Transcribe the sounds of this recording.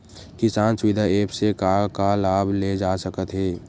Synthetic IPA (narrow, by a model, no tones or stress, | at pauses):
kɪsaːnsʊʋɪd̪ʱaeːpsekakalaːbʱled͡ʒaːsəkət̪ɦɛː